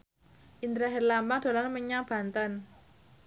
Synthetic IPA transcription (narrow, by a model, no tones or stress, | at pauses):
ʔind̪ɾaɦɛrlambaŋd̪̥o̤lanməɲab̥a̤nt̪an